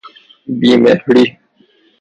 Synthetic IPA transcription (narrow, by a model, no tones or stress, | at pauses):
biːmeːhəɽiː